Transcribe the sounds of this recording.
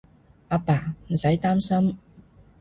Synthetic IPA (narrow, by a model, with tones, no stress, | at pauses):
ʔa˧paː˨˩m̩˨˩sɐ˨˥jt̪aː˥msɐ˥m